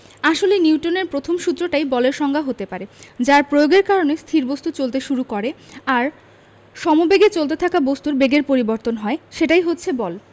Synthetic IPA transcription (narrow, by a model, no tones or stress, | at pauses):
aʃoleniwʈoneɾpɾot̪ʰomʃut̪ːɾoʈajbɔleɾʃɔŋɡʱaɦot̪epaɾed͡ʑaɾpɾojoɡeɾkaɾonest̪ʰiɾbost̪ut͡ɕolt̪eʃuɾukɔɾeaɾ | ʃɔmobeɡet͡ɕolt̪et̪ʰakabost̪uɾbeɡeɾpoɾiboɾt̪onɦɔeʃeʈajɦotːɕʰebɔl